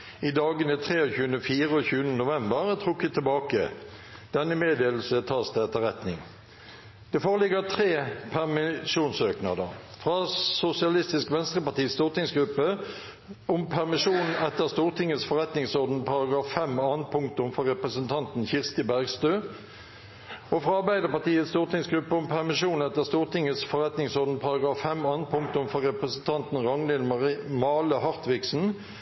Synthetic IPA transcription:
id̪ɑːɡənət̪ʰʁeːɔçʉːənəfiːʁəɔçʉːənənʊʋɛmbəʁt̪ʰʁukɪt̪ʰɛlbɑːkə̰ | d̪̥ɛnːəmeːd̪eːl̩sət̪ʰɑːsd̪ɛɛt̪ːəʁɛt̪nɪŋ | d̪̥ɛfoːʁəlɪɡət̪ʰʁeːpʰæʁmɪʂuːnsøːknɑd̪ə̰ʁ | fʁɑːsʊsɪɑlɪst̪ɪskʋɛnst̪ʁəpɑt̪iːst̪uːʁt̪ɪŋsɡɾʉpːə | ʊmpʰæʁmɪʂuːnn̩ɛt̪ːəʁst̪uːʁt̪ʰɪŋːəsfɔʁɛt̪nɪŋsɔʁd̪n̩pʰɑʁɑɡɑːffɛmɑːn̚pʰʊŋkt̪ʊmfɔʁɛpʁəsənt̪ʰɑnt̪n̩çɪʁst̪əbæʁɡst̪øː | ofʁɑɑʁbæɪd̪əpɑt̪iːət̪st̪uːʁt̪ɪŋsɡʁʉpːəʊmpʰæʁmɪʂuːn̩ɛt̪ːəʁst̪uːʁt̪ɪŋːəsfɔʁɛt̪nɪŋsɔʁd̪n̩pʰɑɾɑɡʁɑːfːɛmɑːn̚pʰʊŋk̚t̪ʊmfɔʁɛpʁəsn̩t̪ʰɑnt̪n̩ʁɑŋnɪnmɑːləhɑʁt̪ʋɪksn̩

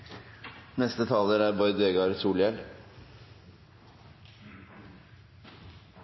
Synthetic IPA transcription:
nɛst̪ət̪ʰɑːləɾæːɾbɔʏd̪eːɡɑɾsuːljɛl

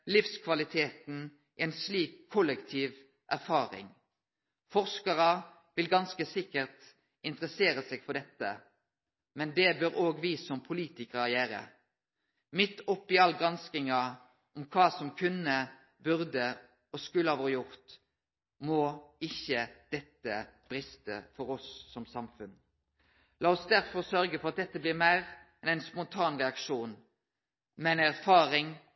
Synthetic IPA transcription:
lɪfskʰʋɑlɪt̪ʰeːt̪n̩ | ɛnsliːkʰːɔlːəkt̪ʰiːʋ | ʔæʁfɑːɾɪ̰ŋ | fɔʁskɑʁɑ | ʋɪlɡɑnskəsɪkːəʁt̪ | ʔɪnt̪əʁəseːʁəsɛːɡ̥fɔʁd̪ɛt̪ːə̰ | mɛnd̪ɛbøɾoːɡʋiːsɔmpʰʊliːt̪ɪkəʁɑjeːɾə̰ | mɪt̪ːɔpːɪɑlɡʁɑnskɪŋɑ | ɔmkʰɑːsɔmkʰʉnə | bʉʁd̪ə | ɔskʉlːəɑʋoːɾəjʊʁt̪ | moːɪçːəd̪̥ɛt̪ːəb̥ɾɪst̪ə̰fɔɾɔsːɔmsɑmfʉn | lɑːɔsd̪æʁtfɔʁsœɾɡəfɔɾɑt̪̚d̪ɛt̪ːəblɪʁmæɪʁɛnæɪnspɔnt̪ʰɑːnʁɛɑkʃuːn | mɛnæʁfɑːɾɪŋ

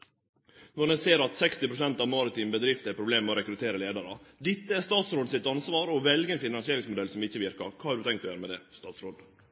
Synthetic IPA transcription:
nɔɖ̪ɛseːɾɑt̪sɛkst̪ɪpɾʊsɛnt̪ɑʋmɑːɾɪt̪ʰiːmbəd̪ɾɪft̪əæɾpʰɾʊbleːmɛɔɾɛkɾʉt̪ʰeːɾəleːd̪ɑɾəd̪ɪt̪ːəæɾst̪ɑːt̪sɾoːd̪sɪt̪ɑnsʋɑːɾɔʋɛlɡənfɪnɑnsɪeːɾɪŋsmʊd̪ɛlsɔmɪçəʋɪɾkəɾkʰɑːhɑɖʉt̪ʰɛŋkt̪ɔjøːɾəmɛd̪ɛst̪ɑːt̪sɾoːd̪

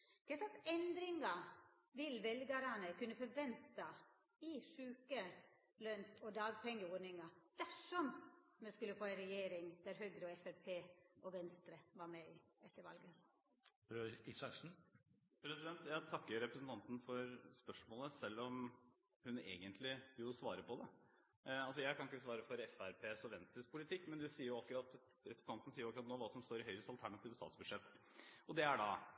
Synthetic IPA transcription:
d̪̥ɛsɑsɛnd̪ɾɪŋɑ | ʋɪlʋɛlɡɑɾɑnəkʉnːəfɔɾʋɛnt̪ɑ | ɪʂʉːkə | lœnsɔd̪ɑːɡpʰɛŋːəɔːɖnɪŋɑd̪̥æʂɔmmɛskʉlːəfoːæɪɾɛjeːɾɪŋd̪̥æɾɦœɡ̪ɾəɔɛfɛɾpʰeːʔɔʋɛnst̪ɾəʋɑɾmɛɪɛt̪ːəɾʋɑ̰lɡə | bɾøisɑʂn̩ | pʰɾɛsɪd̪ɛnt̪jæɪt̪ʰɑkːəɾɾɛpɾəsən̩t̪ɑnt̪n̩fɔɾspœʂmoːləsɛlːɔm | hʉnḛːɡənt̪ʰlɪjʊsʋɑːɾəpɔd̪ɛ | ɑls̬ɔjæɪkʰɑnɪkːəsʋɑːɾəfɔɾɛfæɾpʰeːsɔʋɛnst̪ɾəspʰʊlɪt̪ʰɪkːmɛnd̪ʉsiːəɾjʊɑkːɾɑt̪ | ɾɛpɾsn̩ɑnn̩siːəɾʊɑkːɾɑt̪noːʋɑːsɔmst̪oːɾɪhœʏɾəst̪ɑlt̪ʰæɳɑt̪ʰiːʋəst̪ɑ̰ːt̪sbʉd̪ʂɛt̪ː | ɔd̪ɛæɖɑ

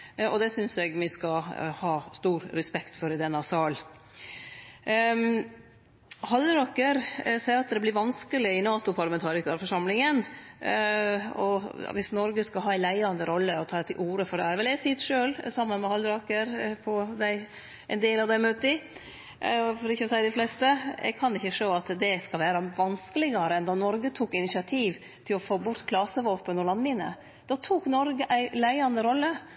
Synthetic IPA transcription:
ɔ̰d̪ɛsʏnsɛɡmɪskɑhɑːst̪uːɾɾɛspɛkt̪fɔɾɪd̪ɛnːɑsɑːl | hɑlɾɑkəɾsæɪɾɑt̪̚d̪ɛblɪɾʋɑnskəlɪɪnɑːt̪ʊpʰɑɾlɑmɛnt̪ʰɑːɾɪkɑfɔʂɑmlɪŋən | ɔ̰ʋɪsnɔɾɡəskɑɦɑːæɪlæɪɑnd̪əɾɔlːəɔt̪ʰɑːd̪ɛt̪ʰɪlʔuːɾəfɔɖɛæɾʋɛlɛsɪt̪ʂøːlsɑmːənmɛhɑld̪ɾɑkəɾpʰɔd̪æɪ | ʔɛnd̪eːlɑʋd̪æɪmœt̪ːɪ | fɔɾɪçːəɔsæɪd̪ɪflɛst̪əɛ̰ɡ̚kʰɑnɪçːəʂoːɑt̪d̪ɛskɑlʋæːɾɑʋɑnskəlɪɡɑɾəɛnd̪ɑnɔɾɡət̪ʰuːkɪnɪsɪɑt̪ʰiːʋ | t̪ʰɪlɔfoːbʊɾt̪kʰlɑsəʋoːpənɔlɑnmɪnːə̰ | d̪̥ɑt̪ʰuknɔɾɡəʔæɪlæɪɑnd̪əɾɔlːə

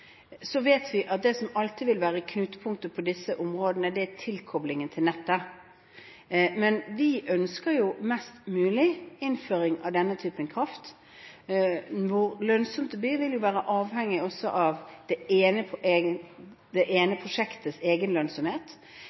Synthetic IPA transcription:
sɔʋeːt̪ʰʋɪʔɑt̪̚d̪ɛsɔmɑlt̪ʰɪʋɪlʋæːɾəkʰnʉːt̪əpʰʊŋk̚t̪əpʰɔd̪ɪsːəʔʊmʁoːd̪ənəd̪ɛæt̪ʰɪlkʰɔblɪŋənt̪ʰɪlnɛt̪ːə | mɛnʋɪʔœnskəɾjʊmɛst̪mʉːlɪɪnføːɾɪŋɑ̰ʋd̪ɛnːət̪ʰyːpənkʰʁɑft̪ | ʋʊɾlœnsɔmt̪əbyːʋɪljʊʋæːɾəʔɑːʋhɛŋːɪɔsːɔʔɑʋd̪̥ɛeːnə | d̪̥ɛʔeːnəpʰʁʊʂɛkt̪ʰəseːɡənlœnsɔmheːt̪

